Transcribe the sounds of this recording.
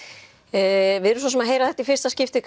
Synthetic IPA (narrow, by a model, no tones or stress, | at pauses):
vɪðɛɾʏsɔs̬ɛmaɦeːjɾaθɛht̪aifɪɾ̥st̪ascɪft̪ɪk